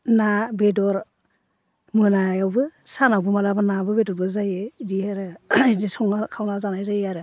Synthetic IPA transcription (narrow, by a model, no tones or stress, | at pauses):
nabedɔɾ | mɯnajawbɯ | sanawbɯmalabɯnabɯbedɔɾbɯzajɯdiaɾɯidisɔŋnakʰawnazanajzajaɾɯ